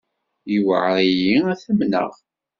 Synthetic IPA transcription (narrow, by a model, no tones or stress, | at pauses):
jiwə̰ʕɾijiæθəmnə̰ʁ